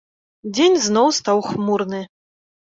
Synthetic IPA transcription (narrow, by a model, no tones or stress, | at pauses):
d͡zʲenʲznɔwst̪awxmurnɨ